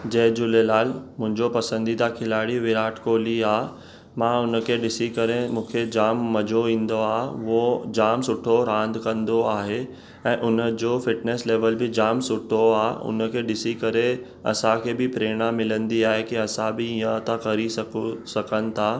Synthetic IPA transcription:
d͡ʑɐɦd͡ʑʊlelaːlmʊ̃ɦɪ̃ɲd͡ʑopɐsə̃nd̪id̪akʰɪlaːɽiʋɪɾaːʈkoːliaː | mãːʊnə̆kʰeɗɪsikɐɾemũːkʰed͡ʑaːmːɐd͡ʑʱoĩːnd̪oaːɦʋod͡ʑaːmsʊʈʰoɾãːnd̪kɐ̃nd̪oaːɦe | ɛ̃ːʔʊnə̆d͡ʑoːfɪʈneːsleːʋəlbɪd͡ʑaːmsʊʈʰoaːʊ̰nə̆kʰeɗɪsikɐɾe | ɐ̰sãkʰeːbɪpɾeːɽ̃amɪlə̃nd̪iaːɦekiɐsãbɪĩjə̃t̪akɐɾisɐksɐkʰənɪ̆t̪ʰaː

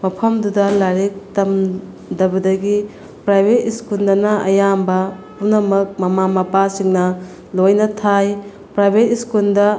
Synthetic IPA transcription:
mɐpʰɐmdudɐlaɾik̚tɐm | dɐbɐdɐɡi | pɾajbʱetiskuldɐnɐʔɐ̰jambɐpunɐmɐk̚mɐmamɐpasiŋnɐ | lojnɐtʰaj | pɾajbʱetiskuldɐ

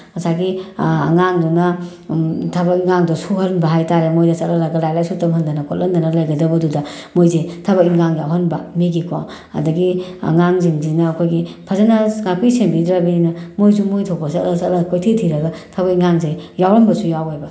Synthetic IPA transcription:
mɐsaɡḭːŋaŋdunɐ | tʰɐbɐkiŋaŋdɔsuhɐnbɐɦajtaɾemojdɐsɐtlɐlaɡɐlajlajsutɐmhɐndɐnɐkʰot̚lɐndɐnɐlajɡɐdɐbɐdudɐ | mojzetʰɐbɐkiŋaŋjawɦɐnbɐmeɡikʰo | ɐ̰dɐɡiɐ̰ŋaŋziŋzinɐːkʰojɡipʰɐzanasŋapijsembidɾabininɐmojzumojtʰopɐsɐtlɐsɐtlɐkʰojtʰetʰiɾɐɡɐtʰɐbɐkiŋaŋzejawɾɐmbɐsujawajbɐ

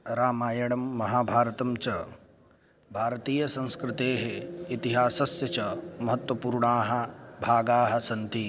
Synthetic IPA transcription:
ɾaːmaːjɐɽɐmːɐɦaːbʱaːɾɐt̪ɐmt͡ʃɐ | bʱaːɾɐt̪iːjɐsɐ̃ñskɾɪt̪eːɦeit̪iɦaːsɐsjɐt͡ʃɐmɐɦɐt̪wɐpuːɾɳaːɦɐbʱaːɡaːɦɐ̆sɐnt̪i

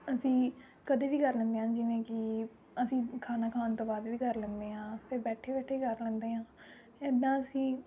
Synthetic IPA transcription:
əsĩː | kəd̪eːʋiːkəɾlɛ̃ːnd̪eːɦãːd͡ʒɪʋẽːkɪ | əsĩːkʰaːnaːkʰaːnt̪õːbaːd̪ʋiːkəɾlɛ̃ːnd̪eːɦãːpʰɪɾbɛːʈʰeːbɛːʈʰeːkəɾlɛ̃ːnd̪eːɦãː | ɛd̪ãːəsĩː

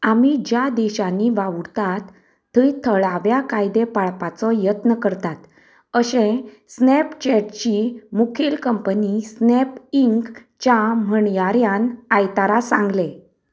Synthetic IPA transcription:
amid͡ʑjad̪ɛɕaniʋaʋuɾt̪at̪ʰː | əit̪ʰəɭaʋjakajd̪epaɭpat͡sɔjət̪nəkəɾt̪at̪ | əɕẽ | snept͡ɕɛʈt͡ɕimukʰilkəmpənisnepiŋk | t͡ɕam̤əɳjaɾjanajt̪aɾasãŋɡle

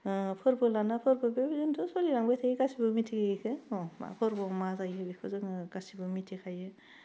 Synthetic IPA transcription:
pʰɯɾbɯlanapʰɯɾbɯbebizuntʰɯsoliɾaŋbajtʰaiɡasibɯmitʰiɡeɡikʰɯɔma̰pʰɯɾbɔmazajɯbikʰɯzɯŋɯɡasibɯmitʰikʰajɯ

